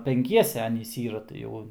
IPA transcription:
pʲɛŋʲˈkʲiɛsʲɛ ˈɑːnʲiːs ˈiːrɐ tɐɪ ˈjɛʊ

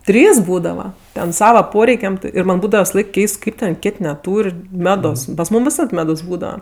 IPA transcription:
ˈtʲrʲiːs ˈbuːdɐʋɐ ˈtʲɛn ˈsɑːʋɐ ˈpoːrʲɛɪkʲɛm ˈtʲɪ ɪr ˈmɐnʲ ˈbuːdɐʋɐ ʋʲɪsɐˈlˠɐɪk ˈkʲɛɪst ˈkɐɪp tʲɛn ˈkʲeːtʲ nʲɛˈtuːrʲ ˈmʲæːdoːs pɐs ˈmuːm ʋʲɪˈsɐt ˈmʲæːdoːs ˈbuːdɐʋɐ

